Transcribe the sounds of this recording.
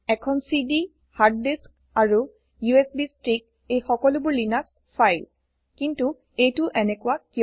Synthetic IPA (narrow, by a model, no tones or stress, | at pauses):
ɛkʰɔnsidi | hadːisk | aɹu | juesbistɹik̚ | ejxɔkɔlʊbʊɹlinas | fʰajl | kintu | ejtʊʔɛnɛkʊwaki